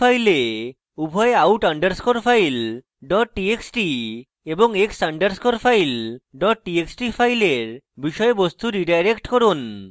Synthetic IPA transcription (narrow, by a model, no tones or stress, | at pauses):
ajle | ubʱɔjeawʈaɳɖəɾskoɾpʰajl | ɖɔʈ̚ːieksʈi | ebɔŋeksaɳɖəɾskoɾpʰajlɖɔʈ̚ʈieksʈipʰajleɾ | biʃɔjebost̪uɾiɖajɾekʈkɔɾun